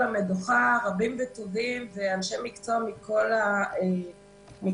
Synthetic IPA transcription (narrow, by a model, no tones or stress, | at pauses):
ameduχaʁabimvet̪o̞vimveanʃemikt͡somikʰo̞lae | mi